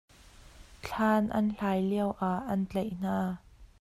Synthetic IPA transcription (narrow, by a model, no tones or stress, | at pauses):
t͡ɬʰaːnʔɐ̰nɬaːjliəwʔaʔːɐnt͡ɬejn̥aː